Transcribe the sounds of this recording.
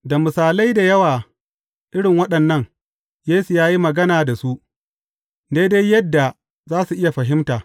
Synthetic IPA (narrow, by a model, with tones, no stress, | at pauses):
da˨mʊ˨saː˨la˦jda˨jɐ˦waː˨ | ʔɪ˦ɽɪ˨ŋwɐ˦ɗɐ˨nːɐ˦ŋ | jeː˦su˨jaː˦ji˦mɐ˨ɡɐ˦naː˨da˨su˦ʔ | de˦jde˦jjːɐ˦dːa˨ | zaː˦su˨ʔɪ˦ja˨ɸɐ˨ɦɪ˦mtaː˨